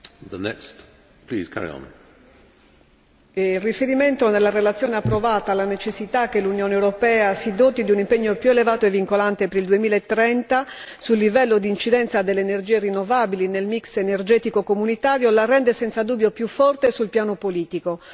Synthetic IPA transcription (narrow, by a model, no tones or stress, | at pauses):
ðənɛ̰kst | pʰl̥ḭːz̥kʰa̰ɹḭə̰̃n | lrifeɾiment̪onelːarelat̪sjɔːneapːɾovaːt̪aːlːanet͡ʃesːit̪akːelːunjɔːnewɾopɛːasid̪oːt̪id̪iunimpeɲːopjuelevaːt̪oevːiŋkolant̪epeɾild̪uemiːlaet̪ːɾɛnt̪a | sulːivɛlːod̪iːnt͡ʃid̪ɛnt̪sad̪elːeːnerd͡ʒiːerinːovaːbilinelmiksenerd͡ʒɛːt̪ikokomunit̪aːɾjolarːɛnd̪esɛnsad̪uːbːjopjufːɔrt̪esulpjaːnopoliːt̪iko